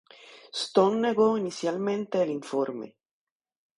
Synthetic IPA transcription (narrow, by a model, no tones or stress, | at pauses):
st̪onːeɡoinisjalment̪eliɱfoɾmḛ